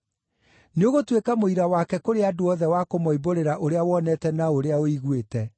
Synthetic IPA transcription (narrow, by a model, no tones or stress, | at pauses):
neoɣotwekamoiɾawakɛkoɾeadoɔðɛwakomɔiboɾeɾaʔoɾeawɔnɛtɛnaoɾeaoiɣwetɛ